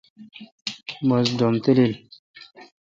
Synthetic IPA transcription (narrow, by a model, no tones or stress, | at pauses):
məsdomt̪elel